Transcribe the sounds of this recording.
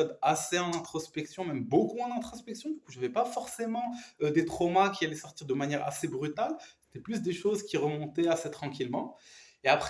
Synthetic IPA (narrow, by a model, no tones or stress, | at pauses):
jɔd̪aseɑ̃nɛ̃t̪χɔspɛksjɔ̃mɛmbokumwɛ̃d̪ɛ̃t̪χɔspɛksjɔ̃d̪ykuʒavɛpafɔʁsemɑ̃ød̪et̪χɔmakʲialɛsɔʁt̪iʁd̪əmanjɛʁa̰sebʁyt̪alse̥t̪ɛplys̬d̪eʃozkʲiʁəmɔ̃t̪ɛaset̪χɑ̃kʲilmɑ̃ | eapχ